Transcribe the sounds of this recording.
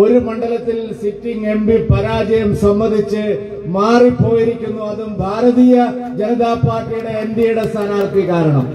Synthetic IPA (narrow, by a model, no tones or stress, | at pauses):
o̞ɾumɐɳɖɐlɐt̪ːilsitːiŋɡe̞mbipɐɾaːd͡ʑɐjɐmsɐmbɐnd̪ʱit͡ɕːɨ | maːripːo̞ːjiɾikʲːunːuɐðumbʱaːɾɐðiːjɐ | d͡ʑenɐðaːpaːrʈːijuɽe̞ːnd̪jɐjuɽe̞st̪ʰɐnaːrk̪ikaːɾɐɳɐ̰m